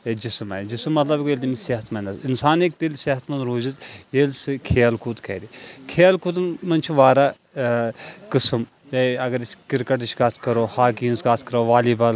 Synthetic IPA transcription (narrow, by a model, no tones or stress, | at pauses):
d͡ʒismɐd͡ʒismːɐt̪lɐbkːelʲd̪imiseɦɐt̪ʰmɐnʲd̪ɐsinsaːnek̚d̪ilʲseɦɐt̪ʰmɐnɾoːzit̪jelsɨkʰeːɐlkʰut̪kʰɐ̰ːd̪ikʰeːɐlkut̪nmɐnt͡ʃʰiʋaːɾaː | kɨsɨm | jɐɐɡɐɾisʲkiɾkɐʈiʃkaːt̪ʰkɐɾoːhaːkiːnskaːt̪ʰkɐɾoːʋaːliːbɐl